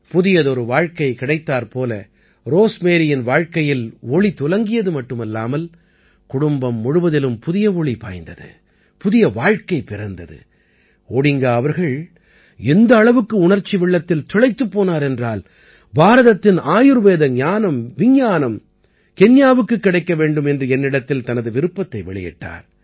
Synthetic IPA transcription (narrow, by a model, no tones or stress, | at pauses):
pʊðɪjɐðɔɾɯʋaːɻkɐɪkɪɽɐɪt̪ːaːɾpoːlɐ̰ | ɾoːsmeːɾɪjɪnʋaːɻkɐjɪlɔɭit̪ʊlɐŋɡɪjɐðɯmɐʈːɯmɛlːaːmɐl | kʊɽʊmbɐmːʊɻɯʋɐðɪlɯmpʊðɪjɐɔɭipa̰ːjnd̪ɐðɯ̰ | pʊðɪjɐʋaːɻkɐɪpɪɾɐnd̪ɐðɯ̰ | oːɽɪŋɡaːɐʋɐɾɣɐɭ | ɛnd̪ɐːɭɐʋɯkːɯʊɳɐɾt͡ʃːiʋɪɭːɐt̪ːɪlt̪ʊɭɐɪt̪ːɯpːoːnaːɾɛndraːl | baːɾɐðɐt̪ːɪnaːjɯɾʋeːðɐɲaːnɐmʋɪɲːaːnɐm | kɛnjaːʋɯkːɯkːɪɽɐɪkːɐʋeːɳɖɯmɛndrɯɛnːɪɽɐt̪ːɪlt̪ɐnɐðɯʋɪɾɯpːɐt̪ːɐɪʋɛ̰ɭɪ̰jɪ̰ʈːa̰ːɾ